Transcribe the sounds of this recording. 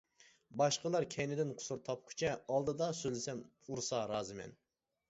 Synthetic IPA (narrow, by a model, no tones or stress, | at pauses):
bɑʃqəlˠɑɾkʲʰɛjnɪd̪ɪnqʰʊ̥suɾt̪ʰɑp̚kʲʰy̥t͡ʃʰɛɑlˠd̪ɨd̪ɑsølɪsɛm | uɾsɑɾɑːzɨmɛ̰n